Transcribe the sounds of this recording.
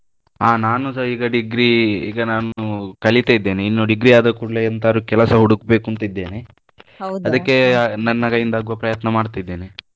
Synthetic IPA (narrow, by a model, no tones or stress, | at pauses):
aːnaːnusɐiːɡɐɖiɡɾiḭːɡɐnaːnukɐɭit̪aid̪ːe̞ːniinːuɖiɡɾiaːd̪ɐkuɽleɐnt̪aɾukɛlɐsɐɦuɽukbe̞ːkunt̪id̪ːe̞ːni | ɐd̪ɐkːe̞nɐnːɐɡɐjind̪aːɡuʋɐpɾɐjɐt̪nɐmaːɽt̪id̪ːeːni